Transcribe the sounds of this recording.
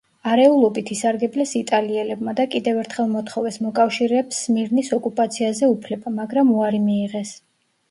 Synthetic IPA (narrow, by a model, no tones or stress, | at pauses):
aɾɛulˠɔbit̪ʰisaɾɡɛblɛsit̪ʼaliɛlɛb̚mad̪akʼid̪ɛvɛɾt̪ʰχɛlˠmɔt̪ʰχɔvɛsmɔkʼafʃiɾɛpsmiɾnisɔkʼupʼat̪sʰiazɛupʰlɛbamaɡɾamuaɾimiːʁɛs